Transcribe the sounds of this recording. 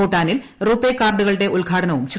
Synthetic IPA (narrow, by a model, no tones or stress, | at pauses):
uːʈːaːnilruːpːeːkːaːrɖuɣɐɭɽe̞ʔulɡʱaːʈʰɐnɐʋumɕr